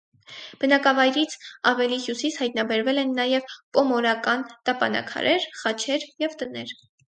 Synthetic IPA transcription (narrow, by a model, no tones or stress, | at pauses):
b̥ənɑkɑvɑjɾit͡sʰɑvɛlihjusishɑjt̪̚nɑbɛɾvɛlɛnːɑjɛvpɔmɔɾɑkɑnt̪ɑpɑ̰nɑ̰kʰɑ̰ɾʔɛɾχɑt͡ʃʰɛɾjɛvt̪ənɛɾ